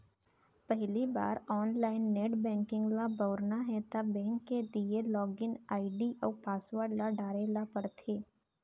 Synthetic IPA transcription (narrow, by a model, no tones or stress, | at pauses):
pɛɦliba̰ːɾɔːnlaːɪnːeːʈbɛ̃ːŋkɪ̃ŋɡlabɔːɾnaɦɛt̪abɛ̃ːŋkːelielɔːɡɪnaːɪɖiʔɔːɾpaːsʋəɾɖlaɖaːɾelapɐɾt̪ʰeː